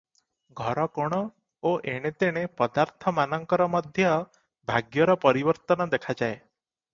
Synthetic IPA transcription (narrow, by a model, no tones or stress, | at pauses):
ɡʱɔɾɔkɔɽ̃ɔ | oʔeɽ̃et̪eɽ̃epɔd̪aɾt̪ʰɔmanɔŋkɔɾɔmɔd̪ʱjɔ | bʱaɡjɔɾɔpɔɾibɔɾt̪ɔnɔd̪ekʰad͡ʒae